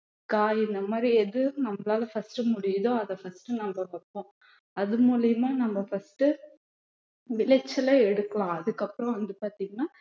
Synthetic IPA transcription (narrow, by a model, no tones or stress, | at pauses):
kaːɪnd̪ɐmaːd̪ɾiɛðɯnɐmːɐlaːlɐfɐsʈɯmʊɽɪjðõɐðɐfɐsʈɯnɐmbɐʋɐpːõ | ɐðɯmuːlɪjɐmaːnɐmbɐfɐsʈɯ | ʋɪlɐt͡ʃːɐlɐɛɽɯkːɐlãːɐðɯkːɐpːɯɾɔ̃ʋɐnd̪ɯpaːɾt̪iːŋɡɐnaː